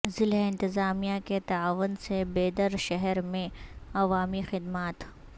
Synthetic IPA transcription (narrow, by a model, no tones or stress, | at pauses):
zɪlɦɪ̃nt̪ɪzaːmijaket̪ɐaːʋənsebeːd̪əɾʃɛɦɛɾmẽɐʋaːmixɪd̪maːt̪